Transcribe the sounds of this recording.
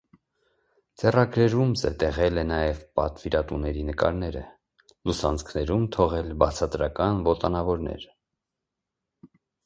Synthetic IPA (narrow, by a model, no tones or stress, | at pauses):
d͡zɛrɑɡɾɛɾumzət̪ɛʁɛlɛnɑjɛvpɑ̰t̪viɾɑt̪unɛɾinəkɑ̰ɾnɛɾə | lusɑnt͡skʰnɛɾumt̪ʰɔʁɛlbɑt͡sʰɑt̪ɾɑkɑnvɔt̪ɑnɑvɔɾnɛ̰ɾ